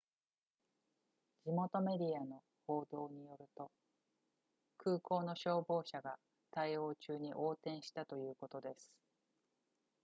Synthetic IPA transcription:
d͡ʑimo̞t̪o̞me̞d̪ʲiano̞ | ho̞ːd̪o̞ːɲ̟ijo̞ɾɯ̟t̪o̞ | kɯ̟ːko̞ːno̞ɕo̞ːbo̞ːɕaɡa | t̪aio̞ːt͡ɕɨːɲ̟iʔo̞ːt̪ẽ̞ɰ̃ɕi̥t̪at̪o̞jɯ̟ːko̞t̪o̞d̪e̞sɨ̥

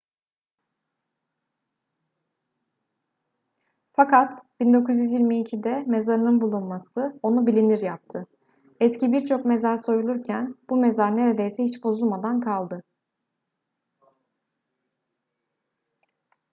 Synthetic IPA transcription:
fakat̪b̥ind̪o̞kʰuzjyzjiɾʲmiːcʰid̪ɛme̞zaɾɯnɯnbulˠunmasɯo̞nubilʲiniɾjap̚t̪ʰɯ | ɛscibiɾt͡ʃʰo̞kme̞zaɾso̞julˠuɾcʰænb̥ume̞zaɾne̞ɾe̞d̪ejsɛhit͡ʃbo̞zulˠmad̪ankʰalˠd̪ɯ

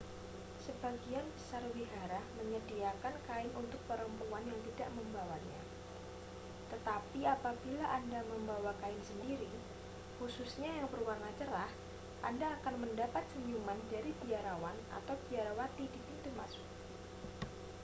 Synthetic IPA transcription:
səbaɡianb̥əsarwiɦaɾahməɲədiakankaɪnʔunt̪ʊk̚pəɾəmpuanjaŋt̪idaʔməmbawaɲa | t̪ət̪apiapabilaʔandaməmbawakaɪnsəndiɾi | hususɲajaŋbərwarnat͡ʃəɾah | ʔandaːkanməndapat̪̚səɲd͡ʒumandaɾibiaɾawana̰t̪awb̥iaɾawat̪idipint̪umasʊ̥k̚

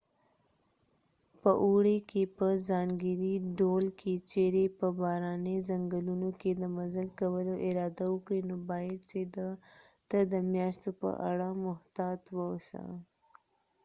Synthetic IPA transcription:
pəʔuɽekepəzɑŋɡəɾiɖolkʰet͡ʃeɾepəbɑɾɑnezaŋɡəlunoked̪əmazalkawəloʔɪɾɑd̪awəkɽinobɑjad̪̚t͡ʃed̪at̪ad̪əmjɑʃt̪opə̰ʔa̰ɽamʊht̪ɑt̪wəsa̰

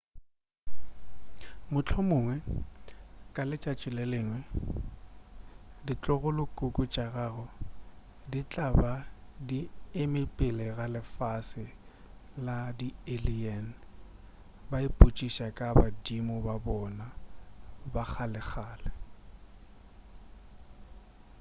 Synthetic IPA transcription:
mʊt͡ɬʰɔmʊːŋwɛ | kʼalɪt͡ʃʼat͡ʃʼɪlɛleːŋwɛ | dit͡ɬʼɔɣʊlʊkʼʊkʼʊt͡ʃʼaɣaːɣɔ | dit͡ɬʼabadiemɪpʼɪlɛɣalɪfasɪ | ladieliɛn̩ | baɪpʼut͡ʃʼiʃakʼabadimʊbabɔna | bak͡xalɪχʰaːlɛ

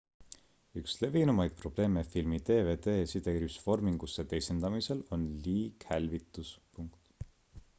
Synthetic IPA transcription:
yksle̞vinumɑjd̪̥̚pro̞b̥le̞ːmefilmit̪e̞ːve̞ːt̪e̞ːsid̪eɾysfo̞rmiŋɡ̥usːet̪e̞jsend̪̥ɑmise̞lo̞nliːkhælʲvit̪ːˑuspuŋkt̪

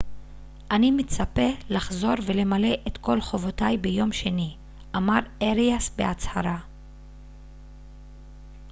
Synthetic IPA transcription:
ʔanimet͡sape̞laχzo̞ʁve̞le̞male̞ʔetko̞lχo̞vo̞tajbe̞jo̞mʃe̞ni | ʔamaʁeʁiasbḛat͡shaʁa

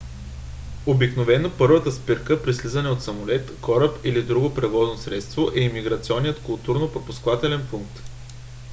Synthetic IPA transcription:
obiknovɛnopɤɾvət̪əspiɾkəpɾislizənɛot̪sɐmʊlɛt̪kɔɾəpilid̪ɾuɡopɾɛvɔznosɾɛt̪st̪voʔɛimiɡɾɐt̪siɔnːijət̪kʊlˠt̪uɾnopɾopʊskvat̪ɛlɛnfuŋk̚t̪

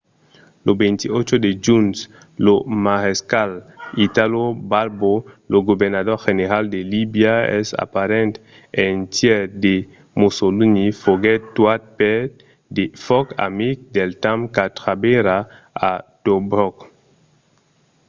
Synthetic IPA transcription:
lobent̪iot͡ʃod̪ed͡ʒuns | lomaʁeskalit̪alobalboloɡobeɾnaðoɾxeneɾald̪elibjaɛ̰sa̰paɾɛ̃nt̪ | ent̪jɛɾd̪e | mosolunifoɡɛtt̪wat̪̚pɛt̪ | d̪efɔka̰mik̚d̪elt̪amkat̪ɾabeɾa | at̪obɾɔk

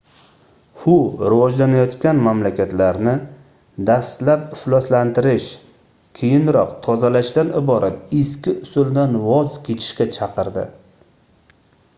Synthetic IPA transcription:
hʊɾɪvɒd͡ʒlanajɒt̪kʲanmamlakʲat̪laɾnɪ | d̪ast̪lapɪflˠɒslant̪ʰɪɾɪʃ | kʲʰejɪnɾɒqt̪ʰɒzalaʃd̪anɪbɒɾʔat̪ɪskʲɪʔʊsʊld̪anwɒzkʲʰe̞t͡ʃʰɪ̥ʃkʲat͡ʃʰɑqɨɾd̪ɪ̰

